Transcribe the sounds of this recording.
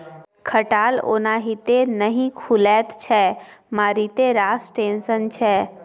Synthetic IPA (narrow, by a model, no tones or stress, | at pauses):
kʰəʈaːlo̰ːnaɦit̪enəɦĩkʰʊlɛːt̪t͡ʃʰɛmaːɾit̪eɾaːsʈeːnsənt͡ʃʰɛː